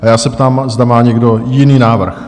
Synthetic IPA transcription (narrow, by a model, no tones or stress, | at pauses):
ajaːsɛpt̪aːmzdamaːɲɛɡdo̞jɪniːnaːvr̩x